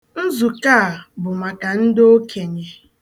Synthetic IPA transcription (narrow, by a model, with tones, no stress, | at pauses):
n̩˦zu˨ka˦a˨bʊ˨ma˨ka˨n̩˦do˦kʰe˨ɲe˨